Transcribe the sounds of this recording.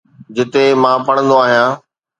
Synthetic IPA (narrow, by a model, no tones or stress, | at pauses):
d͡ʑɪt̪emãːpɐɽ̃ə̃nd̪oaːɦijãː